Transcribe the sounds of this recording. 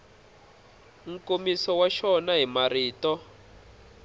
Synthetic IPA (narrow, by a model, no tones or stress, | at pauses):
ŋ̩komisɔwaʃɔnaɦimariːtɔ